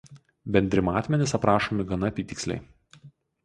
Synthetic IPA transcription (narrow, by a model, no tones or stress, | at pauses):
bʲɛnʲd̪ʲɾʲɪmɑːt̪ʲmʲɛnʲɪsɐpɾɑːʃoːmʲɪɡɐnɐɐpʲiːt̪ʲɪksʲlʲɛ̰ɪ